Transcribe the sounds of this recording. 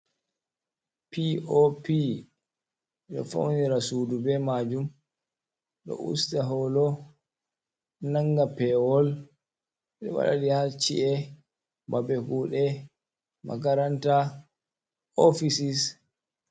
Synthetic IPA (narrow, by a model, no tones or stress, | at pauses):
piopi | ɗɔ̰fa̰wniɾasudubɛmad͡ʒum | ɗɔ̰ʔṵstaɦɔlɔ | naŋɡapɛwɔl | ɗɛ̰wa̰ɗa̰ɗihat͡ʃḭʔɛ | babɛkuːɗɛ | ma̰ɡaɾanta | ofisis